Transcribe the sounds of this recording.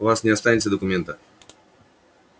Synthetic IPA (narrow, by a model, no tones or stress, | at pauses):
vasɲɛast̪ajɛt̪sɛd̪ɔkumʲɛnt̪a